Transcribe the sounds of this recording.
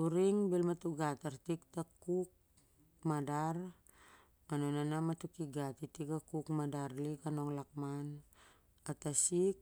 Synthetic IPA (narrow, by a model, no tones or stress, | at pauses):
uɾiŋbelmatuɡataɾtik̚takuk̚ | madaɾ | anonanamatukiɡatitikakukmadaɾlikano̞ŋlak̚man | atasik̚